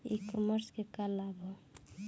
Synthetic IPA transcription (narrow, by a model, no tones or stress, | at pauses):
ḭkɔməɾskekalabʱɔ